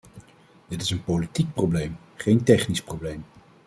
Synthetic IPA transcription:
d̥ɪtɪsənpolitik̚prowblejm | χejntɛχnisprowblejm

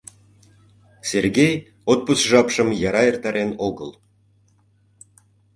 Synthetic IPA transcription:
serɡʲej | ot̪̚pusʒɑpʃə̆mjɑɾɑert̪ɑɾenoɣə̰l

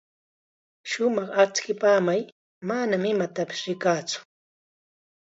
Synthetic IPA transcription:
ʃʊmɑχat͡skɪpaːmaj | manamɪmat̪apɪ̥sɾɪkaːt͡sʊ̥

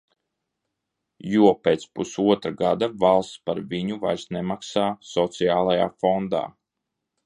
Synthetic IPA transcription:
juɔpeːt̪spusuɔt̪ɾaɡad̪avalˠst̪spaɾviɲuvajsnemaksaːsɔt̪sijaːlˠaja̰ːfɔnd̪a̰ː

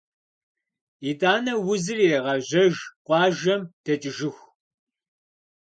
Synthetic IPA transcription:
idaːnɐwʊzɨreːʁɐʑɐʒqʷʼɑːʒɐmd̥ʰɐt͡ʃʼɪʒɪxʷ

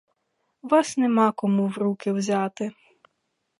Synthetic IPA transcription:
ʋɑsnɛmɑkɔmuwɾukɪwzʲat̪ɪ

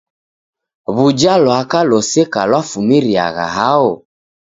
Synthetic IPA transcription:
βud͡ʒalɔakalɔsɛkalwafumiɾia̰ɣa̰ɦaɔ

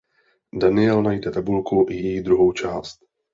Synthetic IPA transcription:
danɪɛlnajdɛt̪abulkuʔɪjɛjid̪ɾuɦowt͡ʃaːst̪

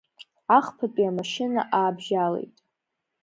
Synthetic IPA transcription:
aχpʰapʼiamaʃɪna̰ʔaːbʒalḛjtʼ

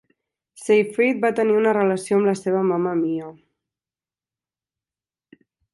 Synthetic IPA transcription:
sejfɾit̪̚bat̪əniunərələsioəmləseβ̞əmaməmiə

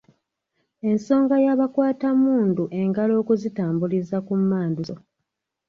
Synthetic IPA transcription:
e̞nso̞ːŋɡajaβakwaːtamuːnduʔe̞ŋɡalo̞ːkuzitaːmbulizakumːaːnduso

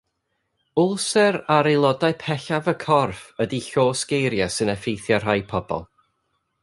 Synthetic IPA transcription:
ʊlˠsɛɾaɾelˠɔdaɨpʰɛɬavəkʰɔrfədiɬoːsɡ̥ejɾjasɨnɛfejθjar̥ajpʰɔb̥ɔ̰lˠ

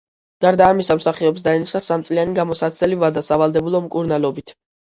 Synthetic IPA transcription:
ɡ̥aɾd̪aːmisamsaχiɔps̬d̪aɛnit͡ʃʰnasamt̪sʼlianiɡamɔsat̪sʰɛlivad̪asavalˠd̪ɛbulˠɔmkʼuɾnalˠɔbit̪ʰ

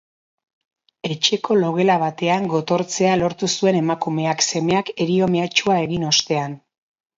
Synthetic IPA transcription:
e̞t͡ʃe̞ko̞lo̞ɣe̞laβ̞at̪e̞aŋɡo̞t̪o̞ɾt͡se̞alo̞ɾt̪usue̞ne̞makume̞akse̞me̞ake̞ɾio̞me̞at͡ʃuae̞ɣino̞st̪e̞an

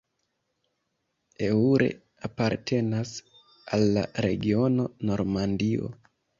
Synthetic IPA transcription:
e̞uɾe̞̰ | apaɾtʰe̞nas | alːa̰ɾe̞̰ɡio̞no̞no̞ɾmandio̞̰

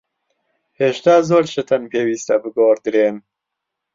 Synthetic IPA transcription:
heːʃt̪aːzoːɾt͡ʃɨt̪ʰɐnpeːwiːst̪ɐbɨɡoːɾd̪ɨɾeːn

